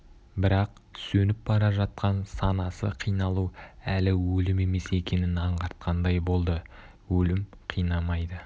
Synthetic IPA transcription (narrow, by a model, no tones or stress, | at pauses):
bɪɾɑq̚ | sɵnɪp̚bɑɾɑʒɑt̪̚qɑnsɑnɑsə̰qʰijnɑlˠuælɪwɵlɪme̞me̞se̞kʲe̞nɪnɑɴʁɑɾt̪̚qʰɑnd̪ɑjbo̞lˠd̪ə | wɵlɪmqʰijnɑmɑjd̪ə